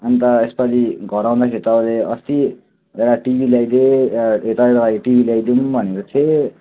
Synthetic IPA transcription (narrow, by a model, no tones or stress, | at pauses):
ʌnit̪ʌespʌɾiɡʱʌɾaw̃d̪akʰet̪awleʌst̪i | eɾaʈibʱilajd̪eet̪aeɾalajʈibʱilajd̪umbʱʌneɾot͡sʰe